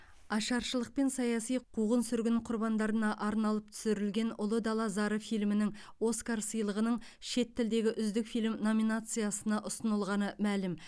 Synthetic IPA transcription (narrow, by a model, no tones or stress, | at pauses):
ɑʃɑɾʃəlˠəq̚pe̞nsɑjɑsijqʰuʁənsʏɾɡʲɪnqʰʊɾbɑnd̪ɑɾənɑʔɑɾnɑlˠəp̚t̪ʰʏ̥sɪɾɪlɡʲe̞nʊlˠəd̪ɑlˠɑzɑɾəfijlmɪnɪŋo̞skaɾsəjlˠəʁənəɴ | ʃe̞t̪ːɪld̪e̞ɡʲɪʔʏzd̪ɪkfijlmno̞minat̪sɨjasənɑʔʊsənəlˠʁɑnəmælɪm